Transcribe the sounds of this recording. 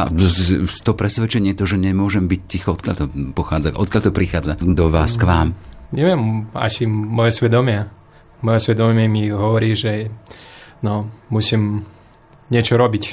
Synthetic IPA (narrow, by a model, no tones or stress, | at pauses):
a̰ | t̪ɔpɾɛsʋɛt͡ʃɛɲɪɛt̪ɔʒɛɲɛmʊɔʒɛmbiccːixɔɔt̪kɪaʎt̪ɔpɔxaːd͡zaʔɔt̪̚kjaʎt̪ɔpɾixaːd͡zad̪ɔʋaːskʋaːmɲɛʋɛma̰simɔjɛsʋɛd̪ɔmɪa | mɔjɛsʋɛd̪ɔmɪɛmiɦɔʋɔɾiːʒɛ | nɔmusiːm | ɲɪɛt͡ʃɔɾɔbic